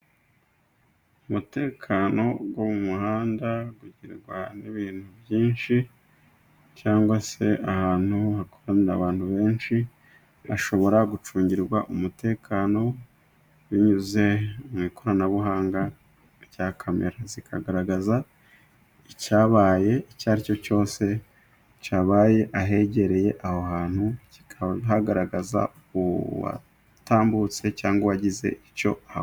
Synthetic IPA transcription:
umute̞ːkʰano̞ɡwoβumuhaːndaɡuɟiɾɡwa̰niβiːn̥huβjiːnʃi | caːŋɡwase̞ʔahaːn̥huakoɾaniɾa̰βaːnhuβe̞ːnʃi | a̰ʃo̞βo̞ɾaɡut͡ʃuːɲɟiɾɡwaʔumute̞ːkʰaːno̞ | wiɲuze̞umŋiːko̞ɾanaβuɦaːŋɡa | ɟaːkʰamḛɾazikʰaɡaɾaɡaza | icaːβaːje̞icaːɾico̞co̞ːse̞ | caβaːje̞ʔaɦe̞ɟe̞ɾe̞je̞ʔahohaːn̥huci̥kʰɦaɡaɾaɡaza̰ | uβa̰ | taːmbut͡se̞caːŋɡoβaɟize̞̰ʔico̞̰ah

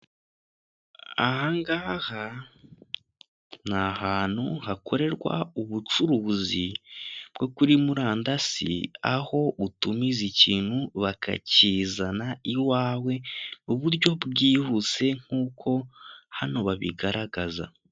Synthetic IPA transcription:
a̰haŋɡaːha | nahaːn̥huhakʰo̞ɾe̞ɾɡwa̰uβut͡ʃuɾuzibɡo̞kuɾimuɾaːndasḭaho̞utumiziciːn̥huβakʰa̰cizanaiwaːwe̞uβuɾɟo̞bɡiːhut͡se̞ŋ̥uːkʰo̞hano̞βaβiɡaɾaɡaza̰

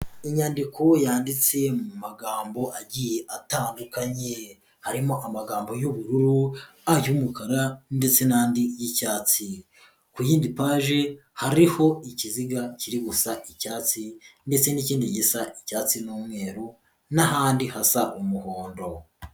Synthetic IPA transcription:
iɲaːndiko̞jaːndit͡se̞mumaɡaːmbo̞ʔaɟije̞ʔataːndukaɲe | haɾimo̞ʔamaɡaːmbo̞juβuɾuɾu | ajumukaɾande̞t͡se̞naːndijicaːt͡si | kujiːndipaːʒe̞haɾiho̞iciziɡaciɾiɡusaʔicaːt͡sinde̞t͡se̞niciːndiɟisaʔicaːt͡sinuːmŋe̞ːɾu | naɦaːndihasaʔumuhoːndo̞

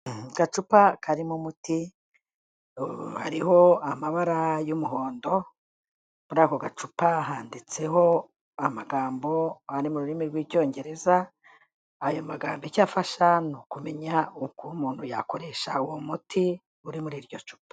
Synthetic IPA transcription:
ɡ̥at͡ʃupakʰaɾimumuti | ha̰ɾiɦo̞amaβaɾajumuɦoːndo̞ | muɾaːkoɡat͡ʃupaɦaːndit͡se̞ɦo̞ | amaɡaːmbo̞aɾimuɾuɾimiɾɡwiːɟo̞ːɲɟe̞ɾe̞zaː | jo̞maɡaːmbecaːfaʃanukume̞ɲaukumuːn̥huja̰koɾe̞ʃauwomuti | uɾimuɾiːɾɟo̞t͡ʃu̥pḁ

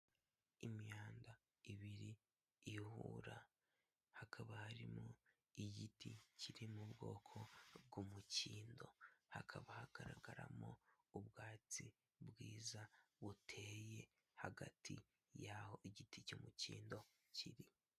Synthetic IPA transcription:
imjaːnda | iβiɾiː | hṵɾa | hakʰaβahaɾimo | iɟiticiɾimubɡo̞ːkʰo̞bɡumuciːndo̞hakʰaβahaɡ̥aɾaɡ̥aɾa̰mo | ubɡaːt͡si | bwiːzaβutʰeːje̞ | haɡatʰḭ | jaːho̞iɟiticumuciːndo̞ | cʰiɾi

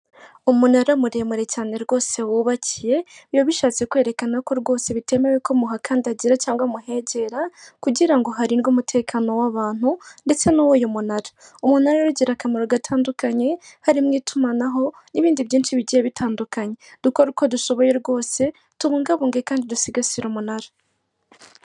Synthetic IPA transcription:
umunaɾamuɾe̞muɾe̞caːne̞ɾɡo̞ːse̞wuːβacije̞joβiʃaːt͡se̞kwe̞ːɾe̞kanako̞ɾɡo̞ːse̞βite̞me̞weko̞muɦakaːndiaɟiɾacaːŋɡamuɦe̞ɟe̞ɾakuɟiɾaŋɡo̞ɦaɾiɾɡumutʰe̞ːkʰano̞waβaːn̥hunde̞t͡se̞nowojomunaɾa | umunaɾaɾuɟiɾakameɾoɡatʰaːndukaɲe̞haɾimŋiːtʰumanaɦo̞ | niβiːndiβɟiːnʃiβiɟijeβitʰaːndukaɲe̞d̥ukoɾuko̞duso̞βo̞je̞ɾɡo̞ːse̞ | tuβuːŋɡaβuːŋɡekaːndidusiɡasiɾumunaɾa

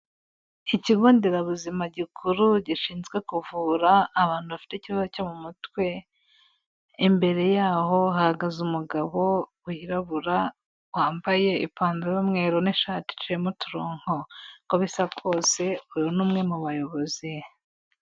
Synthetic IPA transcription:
iciɡoːndeɾaβuzimaɟikʰuɾuɟiʃiːnzɡwe̞kuvuːɾaːβaːnhuβafi̥teiciβazocomumutwe̞ | mbe̞ɾe̞jaːɦo̞ɦahaɡazumuɡaβo̞ | uhiɾaβuɾa | waːmbaje̞ḭpaːnzejomŋeːɾoniʃaːti̥tiɾemotuɾoːŋ̥ho̞koβisaɡo̞ːse̞ujonuːmŋe̞muβajo̞βo̞zi

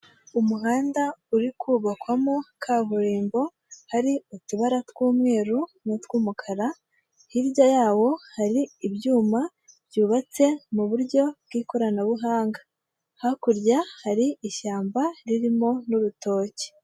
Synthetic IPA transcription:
umuɦaːndauɾikʰuːβakwamokʰaβuɾiːmbo̞ | haɾiutuβaɾatwuːmŋe̞ːɾunotwuːmukʰaɾa | hiɾjajaːwo̞haɾiːbjuːma | bjuːβat͡se̞muβuɾɟo̞b̚ɡiːkoɾanaβuɦaːŋɡa | hakuɾɟahaɾiiʃaːmbaɾiɾimo̞nuɾuto̞ːce̥

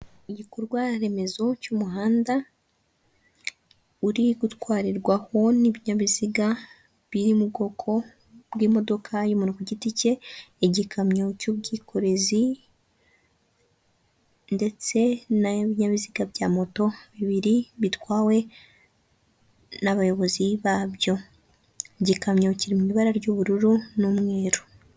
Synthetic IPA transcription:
iɟikoɾɡwaɾe̞me̞zo̞cumuɦaːnda | uɾiɡutwaːɾiɾɡwaho̞niβiɲaβiziɡa | βiɾimub̚ɡo̞kʰo̞ | bɡiːmo̞do̞kʰajumunukuɟitice̞ːɟikʰamɲocuβɡiːkʰo̞ɾe̞zi | nde̞t͡se̞naβiɲaβiziɡabɟaːmo̞to̞βiβiɾiβitwaːwe̞ | naβajo̞βo̞ziβaβjo̞ | eɟikamɲociɾimuiβaɾaɾɟuβuɾuɾunumŋe̞ːɾo

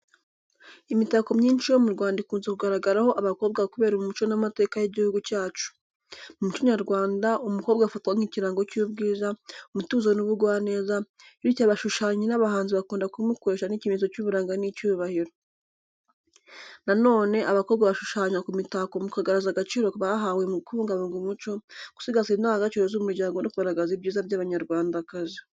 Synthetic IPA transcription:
imitako̞mɲiːnt͡ʃijo̞muɾɡwaːndikuːnzekuɡaɾaɡaɾaho̞ʔaβako̞ːβb̚ɡaβkuβe̞ːɾomumut͡ʃo̞namate̞ːkajiɟihuɡucaːt͡ʃu̥ | mumut͡ʃoɲaɾɡwaːndaʔumuko̞ːβbɡaːfatkwaŋ̥iciɾaːŋɡocuːbɡiːzaumutuːzanuβuɾɡwaːne̞ːza | ɾicaβaʃuʃaːɲinaβahaːnziβakuːndakumukoɾe̞ʃanicimizo̞cuβuɾaːŋɡanicuːβahiɾo̞ | nano̞ːne̞ʔaβakoβbɡaβaʃu̥ʃaːɲakumitakomukaɡaɾazaɡat͡ʃiːɾo̞βaɦawemukuːŋɡaβuŋɡumut͡ʃo̞ɡ̥u̥siɡazinaŋɡat͡ʃiɾezomuɾɟaːŋɡo̞nokuɡaɾaɡazibɟiːzabɟaːβaɲaɾɡwaːndakazi

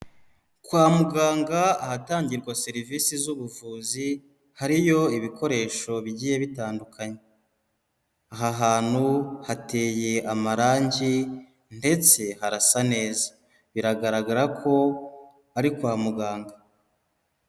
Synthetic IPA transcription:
kwaːmuɡaːŋɡaahataːɲɟiɾɡwase̞ɾivisizuβuvuːzi | haɾijo̞iβiko̞ɾe̞ːʃo̞βiɟiːje̞βitaːndukʰaɲe | aɦaɦaːn̥huhate̞ːje̞amaɾaːɲɟi | nde̞t͡se̞haɾasane̞ːzḁ | βiɾaɡaɾaɡaɾakʰo̞ | aɾikwaːmuɡaːŋɡa

